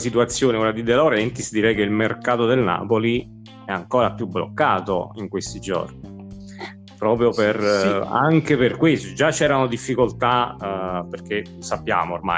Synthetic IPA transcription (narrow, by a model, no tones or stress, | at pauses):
sit̪uat̪sːjoːnekoɾad̪id̪elaɾɛnt̪isd̪iɾɛjk̟eilmerkaːt̪od̪elna̰ːpoli | ɛaŋkoːɾapjubːlo̰kːaːt̪oiŋkwest̪id͡ʒo̰rni | pɾɔːpɾjopera̰ŋkeperkwest̪od͡ʒat͡ʃːɛːɾanod̪ifːikolt̪a | perk̟e | sapːja̰ːmoːrma̰